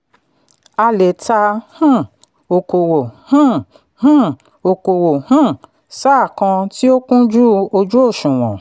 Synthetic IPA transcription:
a˧le˨ta˧hũ˦˨ | o˨ko˨wo˨hũ˦ | hũ˦ | o˨ko˨wo˨hũ˦ | sa˦˨kã˧ti˦o˦kũ˦d͡ʒu˦o˧d͡ʒu˦o˦˨ʃũ˨w̃ɔ̃˨

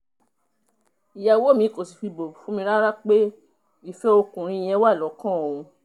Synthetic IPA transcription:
i˨ja˨wo˦mĩ˨˦ko˨si˨fi˧bo˨fũ˦mĩ˧ɾa˦ɾa˦k͡pe˦ | i˦˨fɛ˦o˧kũ˨ɾ̃ĩ˧i˧j̃ɛ̃˧wa˦˨lɔ˨˦kã˦o˨ũ˧

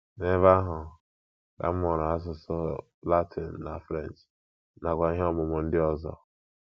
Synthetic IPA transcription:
ne˦va˦ɦʊ˨ | da̰˨m̩˦mɔ˨ɾa˨a˦s̬ʊ˨sɔ˦ | la˦tʰɪ˨n̩ː˨a̰˨fɾe˦˨n˨t͡ʃ | na˨kʷa˨i˦ɦe˦ɔ˦mʊ˨mʊ˨n̩˦dɪ˦ɔ˦zɔ̰˦

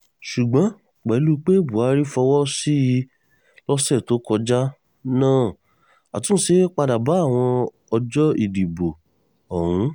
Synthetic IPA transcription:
ʃu˨ɡ͡bɔ̃˨˦ | k͡pɛ˨˦lu˦k͡pe˦˨bu˨a˨˦ɾi˦fɔ˧wɔ˦si˦i˧ | lɔ˦sɛ˦˨to˦kɔ˧d͡ʒa˦ | nãː˦˨ | a˨tũ˦se˦k͡pa˧da˨ba˨˦a˦˨w̃ɔ̃˧ | ɔ˧d͡ʒɔ˦i˦˨di˨bo˨ | ɔ˨ɾũ˨˦

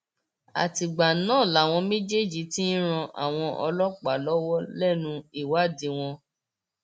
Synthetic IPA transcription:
a̰˨ti˨ɡ͡ba˨nãː˦˨la˨w̃ɔ̃˧mẽ˦d͡ʒe˦d͡ʒi˧˦ti˦n˦ɾ̃ã˧ʔa̰˨w̃ɔ̃˧ʔɔ˧lɔ˦k͡pa˨lɔ˦wɔ˦lɛ˦˨nũ˧i˦˨wa˦˨di˧w̃ɔ̃˧

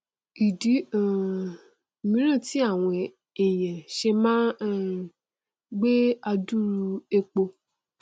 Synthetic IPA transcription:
i˨dĩ˨˦˨ | mĩ˨˦ɾ̃ã˦˨ti˨˦a˦˨w̃ɔ̃˧ | ɛ˨j̃ɛ̃˨ʃe˧mãː˦ | ɡ͡be˦a˧du˦ɾu˧e˧k͡po˧

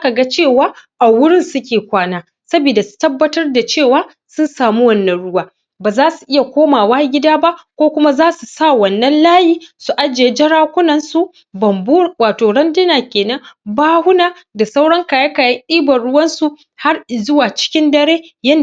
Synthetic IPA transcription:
a˦ka˨ɡa˦t͡ʃeː˦˨waː˦ʔa˨wʊ˦ɽɪ˦nsʊ˦kʲeː˨kʷaː˦naː˦ | sɐ˦bi˨da˨su̥˨tɐ˦bːɐ˦tɐ˦rda˨t͡ʃeː˦˨waː˦ | sʊ˦nsaː˨mu˦wɐ˦nːɐ˨nɽʊ˦waː˦ | baː˨zaː˦su˨ʔɪ˦ja˨kʷoː˦maː˨waː˦ɡʲɪ˦daː˦ba˦ʔkʷoː˦kʷʊ˦ma˦zaː˦su˨sa˦˨wɐ˨nːɐ˦nlaː˦jiː˦su˨ʔa˦d͡ʒeː˨e˦d͡ʒɐ˦ɽaː˦kʷʊ˦nɐ˨nsu˦ | bɐ˨mbu˦waː˨toː˨ɽɐ˦ndɪ˦naː˨kʲeː˨nɐ˦ŋbaː˦hʊ˦naː˨ | da˨sa˦wɽɐ˦ŋkaː˨ja˦kaː˨ja˦ʔiː˦bɐ˨ɽʊ˦wɐ˦nsu˨ | ha˦rzʊ˦waː˨t͡ʃɪ̥˦kʲɪ˦ndɐ˦ɽeː˦jɐ˦n

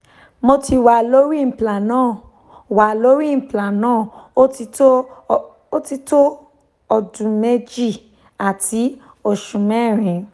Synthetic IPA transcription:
mo˧ti˧wa˨lo˦ɾi˦m̩˨pla˨nãː˦˨ | wa˨lo˦ɾi˦m̩˨pla˨nãː˦˨˦ti˧to˦ | o˦ti˧to˦ | ɔ˧˨dũ˨me˦˧d͡ʒi˦˨ | a˨tʰi˨˦ | o˨ʃũ˨mɛ̃˦˨ɾ̃ĩ˨

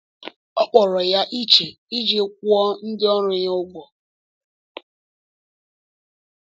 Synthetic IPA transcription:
ɔ˦k͡pɔ˨ɾɔ˨ja˦ʔi˦t͡ʃe˨ | i˦d͡ʒe˦k̚ʷu˦ɔ˦n̩˦dɪ˦ɔ˦ɾʊ˦ɲ˦ʊ˦ɡʷɔ˨

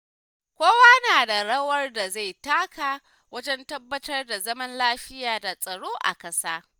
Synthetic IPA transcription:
kʷoː˦waː˦naː˨da˨ɽɐ˦wɐ˦rda˨za˦˨jtaː˦kaː˨ | wɐ˦d͡ʒɛ˦ntɐ˦bːɐ˦tɐ˦rda˨zɐ˦mɐ˦nlaː˦ɸɪ˦jaː˨da˨sʼɐ˨ɽoː˦ʔa̰˨kʼɐ˦saː˦

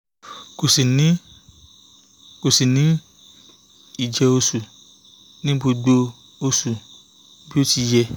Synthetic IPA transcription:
ko˨si˨nĩ˨˦ | ko˨si˨nĩ˨˦ | i˦˨d͡ʒɛ˧o˧su˨ | nĩ˦bo˧ɡ͡bo˧ | o˧su˨ | bi˦o˦ti˧jɛ˧

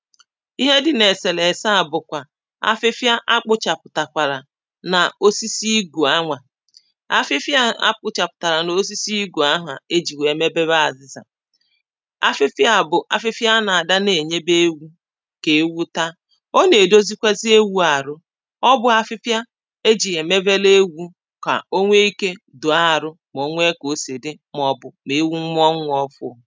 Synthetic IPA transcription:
i˦ɦe˦dɪ˨ne˨se˨le˨sa˦a˨bʊ˨kʷa˨ | a̰˦fɪ˦fja˦ʔa˦k͡pʊ˦t͡ʃa˨pʊ˨ta˨kʷa˨ɾa˨ | na˨o˦si˦si˦ɡu˨a˦ŋʷa˨ | a˦fɪ˦fja˦a̰˦k͡pʊ˦t͡ʃa˨pʊ̥˨ta˨ɾa˨n˨o˦s̬i˦si˦i˦ɡu˨a˦ɦa̰˨e˦d͡ʒi˨we˨me˦be˦βa˦a˨zɪ˦za̰˨ | a̰˨fɪ˦fja˦˨bʊ˨ʔa̰˨fɪ˦fja˦na˨a˨da˦ne˨ɲe˦be˦wu˦ | ke˨˦wu˦ta˦ | o˦ne˨do˦zi˦kʷa˦zi˦e˦wu˦a˨ɾʊ˦ | ɔ˦bʊ˦a˦fɪ˦fja˦ | e˦d͡ʒi˨ɦe˨me˦be˦le˦wu˦ | ka̰˨o˦ŋʷe˦i˦ke˦ | dʊ˨a˦˨ɾʊ˦ | mo˨˦ŋʷ˦e˦ko˨se˨dɪ˦ | m˦ɔ˨bʊ˨me˨˦wu˦m̩˦m˦ɔ˦ŋʷʊ˦ɔ˦fʊ̰˦˨

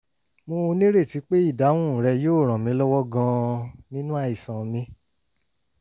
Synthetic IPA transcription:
mõ˧nĩ˦ɾe˦˨ti˨˧˦k͡pe˦i˦˨da˨˦w̃ũ˦˨ɾɛ˧joː˦˨ɾ̃ã˨mĩ˧˦lɔ˦wɔ˦ɡã˧nĩ˦nũ˦a˦˨i˨sã˨mĩ˧˦

